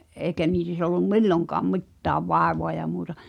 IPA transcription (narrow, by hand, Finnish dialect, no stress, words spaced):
ʔeːkæ niːs olːum milːoŋkɑːm mi̞tːæːʋ ʋɑˑeʋoɑ jɑ muːtɑ